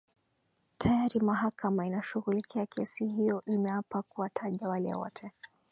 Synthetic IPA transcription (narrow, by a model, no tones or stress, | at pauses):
tʰajaɾimaɦakamainaʃuɣulikʰiakʰɛsihijɔʔimɛwapakuwatʰaʄawalɛ̰wɔ̰tʰɛ